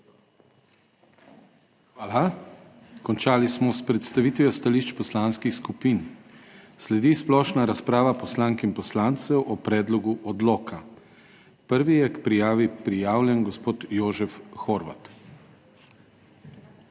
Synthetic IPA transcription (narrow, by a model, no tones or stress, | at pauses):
xʋaːla | kɔnt͡ʃaːlismɔspɾɛt̪st̪aʋiːt̪ʋjɔst̪aliːʃt͡ʃpɔslanskixskupin | slɛd̪isplɔːʃnaɾaspɾaːʋapɔslaːŋkimpɔslaːnt̪sɛwʔɔpɾɛːd̪lɔɡuʔɔd̪loːkʰa | pəɾʋijɛkpɾijaːʋipɾijaːwljɛnɡɔspoːt̪joːʒɛfxɔɾʋa̰t̪